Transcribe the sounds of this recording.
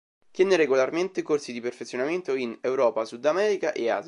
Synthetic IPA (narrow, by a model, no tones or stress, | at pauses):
t̪jɛːneɾeɡolarment̪ekorsid̪iperfet̪sːjonament̪oinewɾɔːpasud̪ːamɛːɾikaʔea̰z